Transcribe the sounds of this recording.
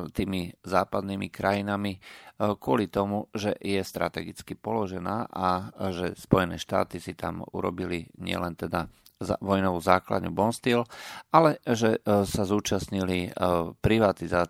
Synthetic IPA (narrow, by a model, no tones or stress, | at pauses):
t̪iːmizaːpad̪nimikɾajinamikʊɔlit̪ɔmuʒɛjɛst̪ɾʔa̰t̪ɛɡit͡skipɔlɔʒɛnaːʔaʒɛspɔjɛnɛ̰ːʃt̪a̰ːt̪isit̪a̰mṵɾɔ̰biliɲɪɛ̰lɛnt̪ɛd̪a | ʋɔjnɔʋuːzaːkla̰d̪nubɔnst̪ɪɛlʔalɛʒɛsazuːt͡ʃasɲilipɾiʋat̪izaː